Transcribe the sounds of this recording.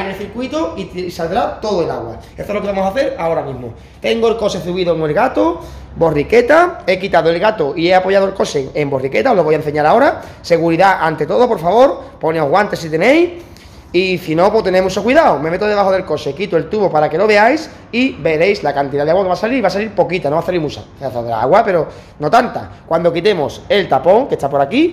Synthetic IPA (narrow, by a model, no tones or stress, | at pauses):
anelθiɾkwit̪oisald̪ɾat̪o̞ðoelaɣwa̰ | est̪olokeβamo̞saθe̞ɾao̞ɾamĩzmo | t̪e̞ŋɡoe̞lko̞seθuβiðoeŋe̞lɣat̪o | bo̞rike̞t̪ae̞kit̪aðoe̞lɣat̪oʔie̞apo̞ʝaðoelko̞seŋembo̞rike̞t̪aoloβo̞jaen̟θe̞ɲaɾao̞ɾase̞ɣuɾiðaʔant̪e̞t̪o̞ðopo̞ɾfaβo̞ɾpo̞neoɦɣwant̪e̞sit̪enej | isino̞pot̪e̞nemuso̞kwiðaome̞me̞t̪oðe̞βaɦo̞ðe̞lko̞sekit̪oe̞lt̪uβo̞paɾake̞lo̞βe̞ajs | ibe̞ɾe̞jslakant̪iðaðeaɣwakeβasaliɾiβas̬aliɾpo̞kit̪ano̞βaθaliɾmut͡ʃa̰θaðela̰a̰ɣwape̞ɾo̞ | no̞t̪ant̪a̰kwand̪o̞kit̪e̞mose̞lt̪apo̞ŋke̞st̪apo̞ɾaki